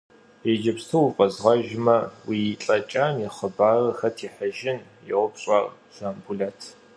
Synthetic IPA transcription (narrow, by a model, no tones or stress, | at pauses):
ed͡ʒɐpstʰuwfʼɐzʁɐʒmɐwiːɬʼɐt͡ʃʼamiχəbaːrɐxɐtʰiːħəʒɪnjɪʁʷʊpɕʼarʒaːmbuɮɐtʰ